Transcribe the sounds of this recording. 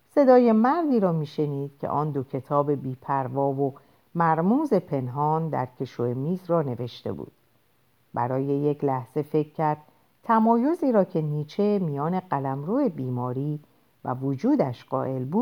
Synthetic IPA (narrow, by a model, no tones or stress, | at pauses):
se̞d̪ɒːje̞mæɾd̪iːɾɒːmiːʃe̞niːd̪̥̚cʰe̞̰ʔɒːnd̪o̞cʰe̞t̪ʰɒːbe̞biːpʰæɾvɒːvo̞ | mæɾmuːze̞pʰe̞nɦɒːnd̪æ̰ɾcʰe̞ʃoemiːzrɒːne̞ve̞ʃt̪e̞̰bṵːd̪̥ | bæ̰ɾɒːje̞je̞cʰlæhz̥e̞fe̞cʰcːæɾd̪̥̚ | t̪ʰæmɒːjo̞ziːɾɒːcʰe̞niːt͡ʃʰe̞mijɒːne̞ɢælæmɾuːe̞biːmɒːɾiː | væ̰vod͡ʒuːd̪æʃɢɒːʔe̞lbuːd̪̥